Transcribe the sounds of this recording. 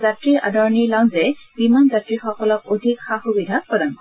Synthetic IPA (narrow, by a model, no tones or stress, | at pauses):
zatɹia̰dɔɹnilaŋzɛbimanzatɹixɔkɔlɔk̚od̪ʱikxaxubid̪ʱapɔd̪ankɔ